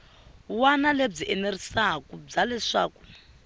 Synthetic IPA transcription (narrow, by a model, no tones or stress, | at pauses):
wanaleb͡ʐiʔɛnerisaɦakub͡ʐalɛʂa̰ːku̥